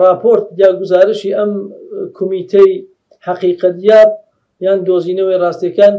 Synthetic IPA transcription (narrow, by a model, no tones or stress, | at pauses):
rɑːpʰoɾt̪̚j̪aːɡʊzaːɾɨʃiːʔɐmkʰʊmiːt̪ʰej | haqiːqɐt̪jaːb̚ | jaːnd̪oziːnɐwejrɑːst̪ijɐkaːn